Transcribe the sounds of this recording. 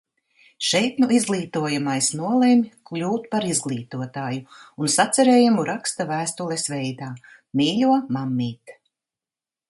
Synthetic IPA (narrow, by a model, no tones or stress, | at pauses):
ʃɛjt̪nuizɡlˠiːt̪uɔjamajsnuɔlˠemʲklʲuːt̪̚paɾizɡlˠiːt̪uɔt̪aːjuunsat̪sɛɾeːjamuɾakst̪avæːst̪ulˠesvɛjd̪aː | miːʎʲuɔmamːiːt̪